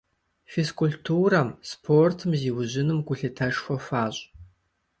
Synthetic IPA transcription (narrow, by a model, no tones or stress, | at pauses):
feskʰʊɬtʰuːrɐmspʰortʰɨmziːwʑɪnɨmɡʷʊɬɨtʰɐʂxʷɔfaːɕʼ